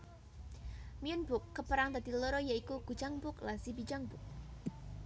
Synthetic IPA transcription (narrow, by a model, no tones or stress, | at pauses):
miʊnbʊkːəpəɾaŋt̪ad̪̥iloɾɔjaikuɡ̥u̥d͡ʒ̥aŋbʊklasibid͡ʒaŋbʊk̚